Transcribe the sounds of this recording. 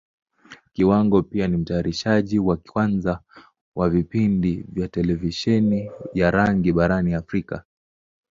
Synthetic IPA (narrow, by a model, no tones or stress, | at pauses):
kiwaŋɡɔpianim̩taːɾiʃaʄiwakwanza | wavipindivjatɛlɛviʃɛnijaɾaŋɡiɓaɾaniafɾika̰